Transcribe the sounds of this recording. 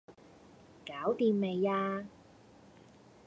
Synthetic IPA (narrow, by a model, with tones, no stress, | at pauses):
kaː˨˥wt̪iː˨˧mme˨jaː˧